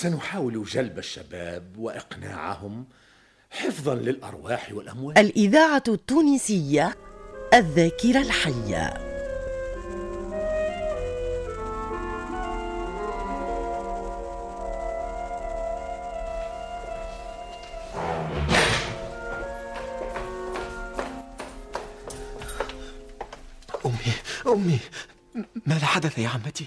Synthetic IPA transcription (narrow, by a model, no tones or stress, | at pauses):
sanʊħaːwɪlʒalbaʃːa̰baːbwɪʔɪqna̰ːʕa̰hʊm | ħɪfðˤɑnlɪlʔɑ̰ɾˤwɑːħwɪlʔamwaːʔalʔɪðaːʕat̪ːuːnisɪjːaʔaðːaːkɪɾalħajːa̰ | ʔʊmːiʔʊmːi | maːðaħad̪aθjaʕamːat̪i